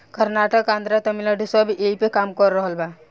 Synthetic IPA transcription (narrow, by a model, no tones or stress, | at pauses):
kəɾnaʈəkãnd̪ɾat̪əmilaɖusɔbʱiʔeipekamkɔɾːəɦəlba